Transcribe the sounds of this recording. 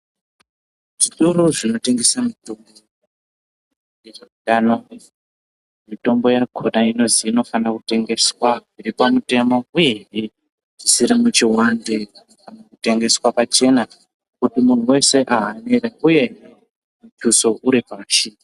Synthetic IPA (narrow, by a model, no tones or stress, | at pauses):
ʐ̥iɗuɾoʐino̞te̞ŋɡe̞samitombo | je | ano | mito̞mbo̞jakʰonaino̞ziːno̞fanrakute̞ŋɡe̞swaiɾipamute̞mo̞uje̞ɦi | ʐisiɾimut͡ʃiwandek | kanakute̞ŋɡe̞swapat͡ʃe̞na | kutimun̤uwe̞se̞ʔaɦaneɾauje̞ | mut͡ʃuso̞ʔuɾipaaʃii